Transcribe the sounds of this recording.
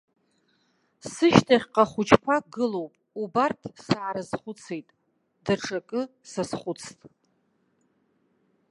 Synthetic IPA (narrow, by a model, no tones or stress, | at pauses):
sɨʃtʰaχʲqʼaχʷʊt͡ʃʰkʷʰaɡɨlowpʼ | ubartʰsaʕaɾazχʷʊt͡sʰejtʼ | daʈ͡ʂʰakʼɨsasχʷʊt͡sʰtʼ